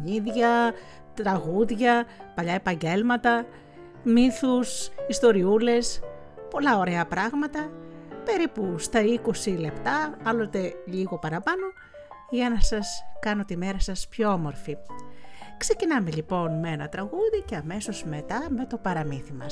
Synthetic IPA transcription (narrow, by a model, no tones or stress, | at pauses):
ɲiðʝɐ | t̪ɾɐɣuðʝɐpɐʎɐe̞pɐɲɟe̞lmɐt̪ɐ | miθusist̪o̞ɾiule̞s | po̞lɐoɾe̞ɐpɾɐɣmɐt̪ɐpe̞ɾipust̪ɐiko̞sile̞pt̪ɐɐlot̪e̞ʎiɣo̞pɐɾɐpɐno̞ | ʝɐnɐsɐskɐno̞t̪ime̞ɾɐsɐspço̞omo̞ɾfi | kse̞cinɐme̞ʎipo̞nmeenɐt̪ɾɐɣuðiceɐme̞so̞zme̞t̪ɐme̞t̪o̞pɐɾɐmiθimɐ̰s